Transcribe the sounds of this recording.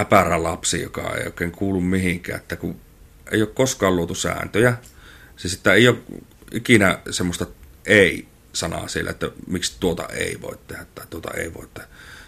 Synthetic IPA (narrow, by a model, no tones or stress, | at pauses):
æpærælɑpsijo̰kɑ̰ḛˑio̰ˑekˑeːŋkuːlːummihiŋkˑæ̰ːʔet̪ːæku | ʔḛˑijoːˑkkoskɑːlluot̪usæ̰ːnt̪øjæ | sisit̪ːæeˑijoˑːʔʔikinæsemːost̪ɑʔeˑi | sɑnɑ̰sielːæet̪ːæmikst̪uot̪ɑ̰ḛˑiʋo̰ˑet̪t̪ehæt̪ːɑˑit̪uot̪ɑ̰ḛˑiʋo̰ˑet̪ːehæ